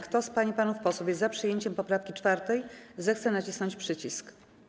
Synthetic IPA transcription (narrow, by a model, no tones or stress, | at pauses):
kt̪ɔspaɲipanufpɔswupʲjɛzzapʂɘjeɲt͡ɕɛmpɔpɾafkʲit͡ʂfaɾt̪ɛjzɛxt̪sɛnat͡ɕisnɔɲt͡ɕpʂɘt͡ɕisk